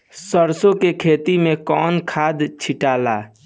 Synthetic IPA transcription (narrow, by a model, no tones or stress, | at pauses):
səɾsokekʰet̪imekɔnkʰad̪t͡ʃʰiʈala